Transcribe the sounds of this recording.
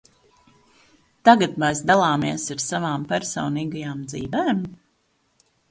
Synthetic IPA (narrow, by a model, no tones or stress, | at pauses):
t̪aɡat̪mɛjsd̪alˠaːmiɛsaɾsavaːmpæɾsɔwniːɡajaːmd̪zḭːvɛːm